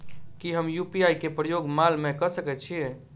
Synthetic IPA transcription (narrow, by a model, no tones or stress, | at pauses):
kiɦəmjupiajkepɾəjoɡmalmekəsəkɛt̪t͡ʃʰie